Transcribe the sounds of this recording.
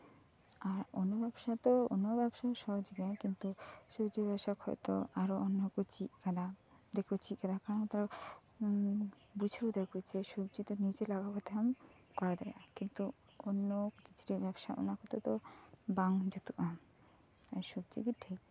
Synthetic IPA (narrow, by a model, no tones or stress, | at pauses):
aɾo̰nːobɛbʃat̪oo̰nːobɛbʃaʃɔɦd͡ʑiɡakint̪uʃobd͡ʑibɛbʃakhɔ̰j̰t̪o̰aɾoʔonːkot͡ɕikad̪a | d̪ekʰot͡ɕʰikad̪akaɾonat̪aɾa | bud͡ʑʰʱeod̪ekʰut͡ɕeʃobd͡ʑit̪onit͡ɕelaɡapɔt̪ʰeam | kɔɾad̪aeakint̪u | onːokit͡ʃʰu̥ʈibɛbʃa̰o̰nakʰot̪ot̪obaŋd͡ʑot̪uʔam | aʃobd͡ʑḭɡiʈʰik̚